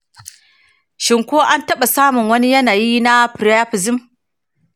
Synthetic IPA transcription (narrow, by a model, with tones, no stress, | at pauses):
ʃɪ˨ŋkʷoː˦ʔa˦ntɐ˦ɓa˨saː˦mʊ˨ŋwɐ˦ni˦jɐ˦naː˨ji˦na˦pɾja˦ɸɪ˨zɪ˦m